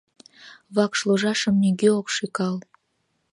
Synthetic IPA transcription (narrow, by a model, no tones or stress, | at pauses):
vɑkʃloʒɑʃəmnʲyɡʲeokʃikɑl